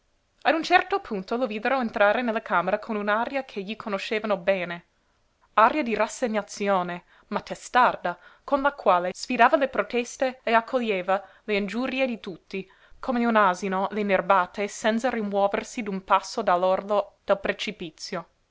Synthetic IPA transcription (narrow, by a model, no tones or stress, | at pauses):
ad̪unt͡ʃɛrt̪opʰunt̪oloviːd̪eɾoent̪ɾaːɾenelːakʰaːmeɾakʰonunaːɾjakʰeʎikʰonoʃeːvanobeːne | aɾjad̪irasːeɲːat̪sjoːne | mat̪ːest̪ard̪akonlakwaːlesfid̪aːvalepɾot̪ɛst̪eːakʰːoʎːeːva | leind͡ʒuːɾied̪it̪ut̪ːi | kʰomeunaːzinolenerbaːt̪esɛnt̪sarimwɔːversid̪unpasːod̪alːord̪od̪̥elpɾet͡ʃipit̪sːjo